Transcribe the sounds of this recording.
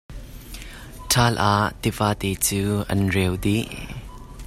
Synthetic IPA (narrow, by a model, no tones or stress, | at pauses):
tʰaːlʔaːʔt̪ivaːt̪ɛːt͡suːʔɐ̰nrɛwd̪i